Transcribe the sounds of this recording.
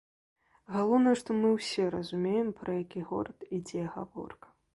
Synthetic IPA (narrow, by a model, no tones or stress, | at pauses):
ɣalˠɔwnɐjɛʂt̪ɔmɨwsʲɛɾɐzumʲejɛmpɾɐjakʲiɣɔ̰ɾɐt̪id͡zʲɛɣa̰vɔ̰rkɐ̥